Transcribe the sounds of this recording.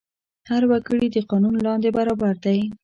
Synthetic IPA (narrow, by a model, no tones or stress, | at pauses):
haɾwakəɽid̪əqɑnunlɑnd̪ebaɾɑbaɾd̪aj